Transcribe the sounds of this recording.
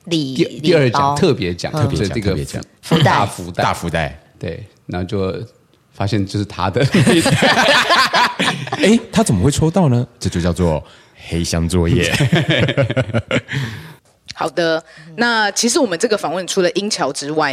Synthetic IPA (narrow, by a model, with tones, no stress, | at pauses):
li˨˩˧t̪i˧ə˞˥˩t͡ɕj̰t̪ʰɤ˥˩pjɛ˧˥t͡ɕjɑ̰˨ŋʰ˥˧pjɛ˧st͡ɕ̪ʰə˧˩jɛ˧˥t͡ɕjɑ̰˨˦ŋfu˧˥a˧˥˩fu˧˥t̪a˥a̰˥˩fu˧˥t̪a˥˩ɪt̪we˥˩ɪna˧˥˧t͡ɕjo˥˩ʊ | fa˥ɕjɛ˥˧nt͡ɕjo˥˧ʂɻ̩˥˩t̪ʰa˥d̪ə˨˥ | e˥˩ɪt̪ʰa˥t͡sə˨˩mə˦xwe˥˩ɪʈ͡ʂʰo˥ʊt̪ɑ˥˩ʊnə˨ʈ͡ʂɤ˥˧t͡ɕo˥˧ʊt͡ɕjɑ˥˧ʊt͡swɔ˥˩ | xe˥ɪɕjɑ˥ŋt͡swɔ˥˧jɛ̰˥˩ | xɑ˨˩ʊd̪ə˦na˥˩t͡ɕʰi˧˥ʂ̬ɻ̩˧˥wɔ˨˩mə˨˦nʈ͡ʂɤ˥˩ɡə˩fɑ˨˩ŋwə˥˩nʈ͡ʂʰu˥lə˨ʔi˥ŋt͡ɕʰjɑ˧˥ʊʈ͡ʂɻ̩˥wa˥˩ɪ